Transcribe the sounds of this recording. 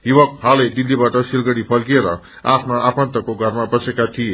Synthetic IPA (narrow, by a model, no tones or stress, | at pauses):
ɦiwʌkɦaled̪ilːibaʈʌsilɡʌɽipʰʌlɡieɾʌ | apʰnaʔapant̪ʌkoɡʱʌrmabʌsekat̪ʰije